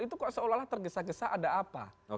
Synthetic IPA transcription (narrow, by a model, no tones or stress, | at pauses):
it̪ukɔʔsəolahlaht̪ərɡəsaɡəsaʔadaapa̰o